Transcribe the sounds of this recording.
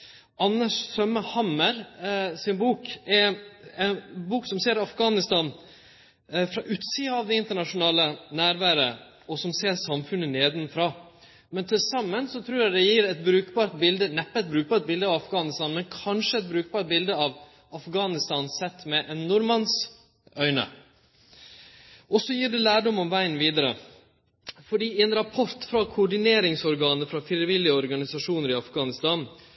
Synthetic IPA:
ɑnːəʂsœməhɑməɾsɪnbuːkɛɛnbuːksɔmseːɾɑfɡɑːnɪst̪ɑːn | fɾɑʔʉːt̪siːəɑʋd̪ɛɪnt̪əɳɑʂʊnɑːlənæːɾʋæːɾə | ɔsɔmseːɾsɑmfʉnːəneːd̪ɪnfɾɑː | mɛnt̪ʰɪlsɑmːənsɔt̪ʰɾuːɾjæd̪ɛjiɾɛt̪̚bɾʉːkbɑːɾt̪̚bɪld̪ənɛpːət̪̚bɾʉːk̚bɑːɾt̪̚bɪld̪əɑʋɑfɡɑːnɪst̪ɑːnmɛnkʰɑnʂəɛt̪̚bɾʉːk̚bɑːɾʈ̪̚bɪld̪əɑʋ | ɑfɡɑːnɪst̪ɑːnsɛt̪ːmɛʔɛnːʊɾmɑns | œʏnə̰ | ʔɔsɔjiːɖɛlæːɖɔmɔmʋæɪənʋiːd̪əɾə | fɔɖiːɛnɾɑpʰɔɾt̪fɾɑkʰʊɖɪneːɾɪŋsɔɾɡɑːnəfɾɑfɾɪəʋɪlːɪəɔɾɡɑnɪsɑʂuːnəɾɪɑfɡɑːnɪst̪ɑːn

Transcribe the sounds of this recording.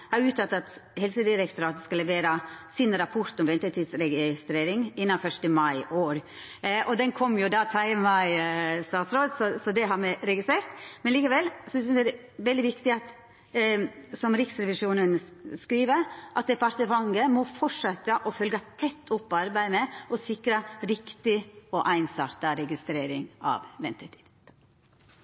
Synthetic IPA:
hɑɾjʉːt̪ʰːɑt̪ːɑt̪hɛlsəd̪ɪɾɛkt̪ʰʊɾɑːt̪skɑlːɛʋeːɾɑsɪnɾɑpʰɔɾt̪ɔmʋɛnt̪ət̪iːd̪sɾɛɡɪst̪ɾeːɾɪŋɪnːɑfœʂʈəmɑɪʔoːɾ | ʔɔd̪ɛnkʰɔmːjʊd̪ɑːt̪ʰɑɪmɑɪst̪ɑːt̪sɾoːd̪sɔsɔd̪ɛɦɑɾmɛɪɾɛɡɪst̪ɾeːɾt̪mɛnliːkəʋɛlsɔssɛɾ | ʋɛld̪ɪʋɪkt̪ɪɑt̪ | sɔmɾɪksɾɛʋɪʂuːnənskɾiːʋəʔɑt̪̚d̪ɛpɑɾt̪əfɑŋɡəmɔfɔʂɛt̪əʔɔfœlɡɑt̪ʰɛt̪ʰːʊpːɔɑɾbæɪmɛɔsɪkɾəɾɪkt̪ɪɔʔæɪnsɑɾt̪ɑɾɛɡɪst̪ɾeːɾɪŋɑ̰ːʋʋɛnt̪ʰəɾt̪ʰi̥ːd̪̥

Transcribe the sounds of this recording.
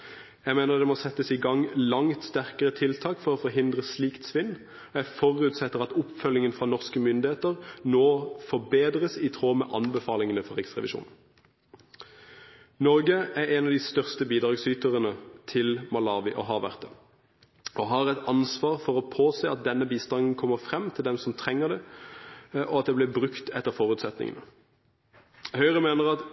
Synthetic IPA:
jæɪmeːnəʁd̪ɛmɔsɛt̪ːəsɪɡɑŋlɑŋt̪st̪æʁkəʁət̪ʰɪlt̪ʰɑːkfɔʁɔfɔʁɦɪnd̪ʁəsliːkt̪sʋɪnː | ɔjæfɔʁʉːt̪sɛt̪ːəʁɑt̪ʊpfœljɪŋənfʁɑnɔʁskəmʏnd̪ɪheːt̪əʁnoːfɔbeːd̪ʁəsɪt̪ʰʁoːmɛ̰ʔɑnbəfɑːlɪŋənəfɔʁɛksʁɛ̰ʋɪ̰ʃṵːn | nɔʁɡəæʁɛnɑʋd̪iːst̪œʁst̪əbiːd̪ɾɑːɡsyːt̪əʁənət̪ʰɪlmɑlɑːʋɪʔɔɦɑːʋæʁt̪ə | ɔɦɑːʁɛt̪ɑnsʋɑːʁfɔʁɔpʰoːseːɑt̪̚d̪ɛnːəbiːst̪ɑnn̩kʰɔmːəfʁɛmːt̪ʰɪld̪ɛmsɔmt̪ʰʁɛŋːəʁd̪ɛ | ʔɔɑt̪̚d̪ɛblɪbʁʉkt̪ɛt̪ːəʁfɔʁʉːt̪sɛt̪nɪ̰ŋə̰nə | hœʏʁəmeːnəʁɑt̪

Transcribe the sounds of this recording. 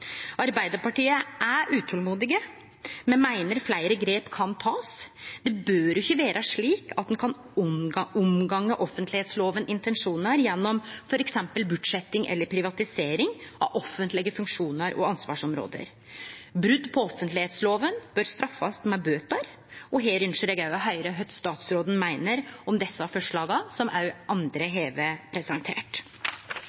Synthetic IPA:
ʔɑɾbæɪd̪əɾpɑʈiːəʔæʔʉːt̪ʰɔlmuːd̪ɪɡə | mɛnmæɪnəɾflæɪɾəɡɾeːpkʰɑnt̪ʰɑːsd̪ɛbøːɾʊçəʋeːɾʔəʂɭiːkɑt̪̚d̪nkʰɑn | ʊmɡɑŋːəʔɔfːənt̪ʰlɪheːt̪sloːʋənʔɪnt̪ɛnʂuːnəɾjɛnːɔmfɔɾɛksɛmpəlbʉd̪ʂɛt̪ːɪŋʔɛ̰lːəɾpʰɾɪʋɑt̪ɪseːɾɪŋʔɑ̰ʋʔɔfənt̪lɪɡəfʉŋkʂuːnəɾʔɔ̰ɑnsʋɑ̰ːʂɔmɾo̰ːd̪ə̰ɾ | bɾʉd̪ːpʰɔɔfːənt̪lɪheːt̪sloːʋənb̥øɾst̪ɾɑfːɑst̪mɛbøːt̪ɑɾ | ɔɦeːɾʏnʂəɾɛɡɑʉɑɦœʏɾəɦœt̪st̪ɑːt̪sɾoːd̪n̩mæɪnəɾɔmd̪ɛsːəɑfɔʂɭɑːɡɑsɔmʔæɾʔɑnd̪ɾəɦeːʋepʰɾɛsɛnt̪ʰḛːʈ

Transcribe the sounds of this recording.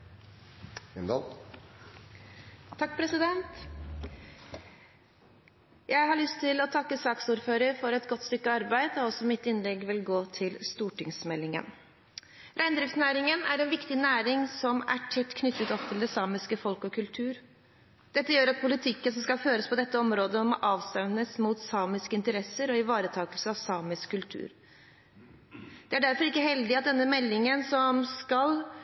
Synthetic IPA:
ɪnd̪ɑ̰l | ɑk̚ːpʰɾɛsɪd̪ɛnt̪ | jæɪhɑɭʏst̪ʰːɪlɔt̪ʰɑkːəsɑːksuːɾføːɾəɾfɔɾɛt̪ɡɔt̪ːst̪ʏkːəɑɾbæɪd̪ɔɔsɔmɪt̪ːɪnlɛɡʋɪlɡoːt̪ʰɪlst̪uːʈɪŋsmɛlːɪŋə̰n | ɾʔæɪnd̪ɾɪft̪næːɾɪŋənæɾɛnʋɪkt̪ɪnæːɾɪŋsɔmæ̰ʈʰɛt̪ːkʰnʏt̪ːət̪ɔpt̪ʰɪld̪ɛsɑːmɪskəfɔlkɔkʰʉlt̪ʰʉːɾ | d̪̥ɛt̪ːəjøːɾɑt̪̚pʰʊlɪt̪ʰɪkːənsɔmskɑlføːɾəspɔd̪ɛt̪ːəɔmɾoːd̪əɔmɔʔɑːʋst̪ɛmnəsmuːt̪sɑːmɪskəɪnt̪əɾɛsəɾɔɪʋɑːɾət̪ʰɑːkəlsəɑʋsɑːmɪskʰːʉlt̪ʰʉ̰ːɾ | d̪̥ɛæɖæɾfɔɾɪkːəɦɛld̪ɪɑt̪̚d̪ɛnːəmɛlːɪŋənsɔmskɑl

